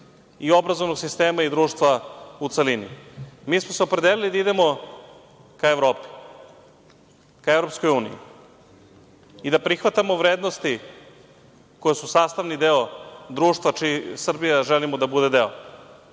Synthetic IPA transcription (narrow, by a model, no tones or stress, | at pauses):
io̞bɾazovnoɡsist̪eːmaid̪ɾuːʂt̪ʋaut̪selinḭmiːsmoseopɾe̞d̪elilid̪aid̪emo̞ | kaeʋɾoːpi̥ | kaevɾo̞pskojuːnḭjḭ | id̪apɾixʋat̪amo̞ʋɾeːd̪nost̪i | ko̞jesusaːst̪aʋnid̪eo̞d̪ɾuːʂt̪ʋat͡ʃisr̩bijaʒelimod̪abud̪e̞d̪eo